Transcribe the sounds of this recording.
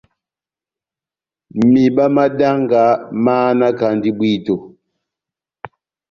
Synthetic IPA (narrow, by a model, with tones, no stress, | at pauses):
mi˨ɓa˦ma˦da˦ŋɡa˨maː˦na˦ka˨ndi˦bwi˦˨to˨